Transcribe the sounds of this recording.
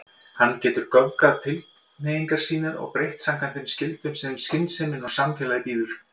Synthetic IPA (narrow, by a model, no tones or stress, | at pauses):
hanːcɛːt̪ʏɾkœvkaðt̪ʰɪl | nejiŋkaɾ̥siːnaɾɔ̰ɣpɾejht̪saŋkʰant̪ɪmscɪlt̪ʏmsɛmʏscɪnsɛmɪnɔ̥samfjɛːlaðɪpiːðʏɾ̥